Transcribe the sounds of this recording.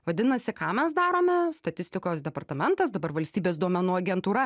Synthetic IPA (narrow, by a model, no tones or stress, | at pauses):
ʋɐd̪ʲɪnɐsʲɪkɑːmʲɛs̬d̪ɑːɾoːmʲɛst̪ɐt̪ʲɪsʲt̪ʲɪkoːsd̪ʲɛpɐrt̪ɐmʲɛnt̪ɐsd̪ɐbɐrʋɐlʲsʲt̪ʲiːbʲeːs̬d̪uɔmʲɛnuːɐɡʲɛnt̪uːɾɐ